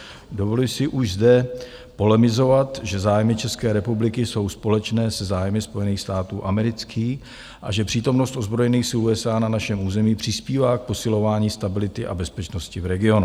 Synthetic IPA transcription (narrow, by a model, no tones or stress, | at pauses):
do̞volɪsɪʔuʒzdɛ | po̞lɛmɪzo̞vat̪ʒɛzaːjmɪt͡ʃɛskɛːɾɛpublɪkɪso̞wspo̞lɛt͡ʃnɛːsɛzaːjmɪspo̞jɛniːxst̪aːt̪uːʔamɛɾɪt͡skʰiːx | ʔa̰ʒɛpr̝̥iːt̪o̞mno̞st̪ʔozbɾo̞jɛniːxsuːɛsaːnanaʃɛmuːzɛmiːpr̝̥ɪspiːvaːk̚po̞sɪlo̞vaːɲiːst̪abɪlɪt̪ɪʔa̰bɛspɛt͡ʃno̞scɪvɾɛɡɪo̞nu